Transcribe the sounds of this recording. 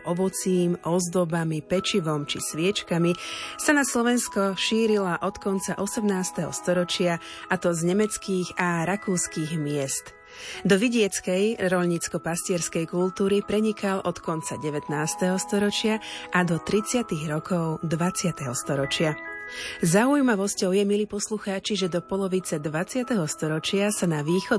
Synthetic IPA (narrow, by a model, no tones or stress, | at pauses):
ʔɔʋɔt͡siːmɔzd̪ɔbamipɛt͡ʃiʋɔmt͡ʃḭsʋɪɛt͡ʃkamisanaslɔʋɛnskɔʃiːɾilaʔɔt̪kɔnt͡saʔɔsɛmnaːst̪ɛɦɔ̰st̪ɔɾɔt͡ʃɪa | ʔat̪ɔzɲɛmɛt͡skiːɣaɾakuːskiːɣmɪɛst̪ | d̪ɔʋiɟɪɛt͡skɛjɾɔʎɲit͡skɔpascɪɛɾskɛjkult̪uːɾipɾɛɲikʰalʔɔt̪kɔnt͡sa̰ɟɛʋɛt̪naːst̪ɛɦɔst̪ɔɾɔt͡ʃɪaʔad̪ɔt̪ɾit͡sɪat̪iɣɾɔkʰɔʊd̪ʋat͡sɪat̪ɛɦɔst̪ɔɾɔt͡ʃɪa | zaujmaʋɔscɔʊjɛmiliːpɔsluxaːt͡ʃiʒɛd̪ɔpɔlɔʋit͡sɛd̪ʋat͡sɪat̪ɛɦɔst̪ɔɾɔt͡ʃɪasanaʋiːxɔ